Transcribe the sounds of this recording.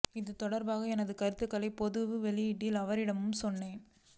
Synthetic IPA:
ɪðɯt̪ɔɽɐɾbaːɣɐɛnɐðɯkɐɾɯt̪ːɯkːɐlɐɪpɔðɯʋɯʋɛɭɪjɪʈːɪlɐʋɐɾɪɽɐmɯmsɔnːeːn

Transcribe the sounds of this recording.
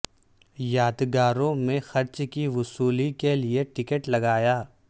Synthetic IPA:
jaːd̪ɡaːɾõmẽxɐɾt͡ʃkiʋʊsuːlikelieʈɪkəʈlɐɡaːjaː

